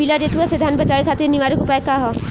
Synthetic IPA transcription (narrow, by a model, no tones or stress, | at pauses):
ilaɾet̪uased̪ʱanbat͡ʃaɾikʰat̪iniʋaɾɔkupajkaɦɔ